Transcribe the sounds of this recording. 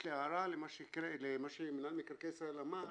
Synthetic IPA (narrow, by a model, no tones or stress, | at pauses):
leaɾalemaʃekɾelemaʃemɪnalmikɾkeselama